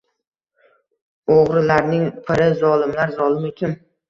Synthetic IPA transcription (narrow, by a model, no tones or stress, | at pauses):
oʁɾɪlaɾnɪŋpʰɪɾɪzɒlˠɪmlaɾzɒlˠɪmek̪ʲʰɪm